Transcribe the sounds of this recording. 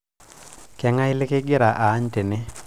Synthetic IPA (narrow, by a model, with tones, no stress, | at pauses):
kɛ˨˦ŋa˦ɪ˦lɪ˦ke˦ɡɪ˦ɾa˨ʔaː˨˦ɲte˨nɪ˦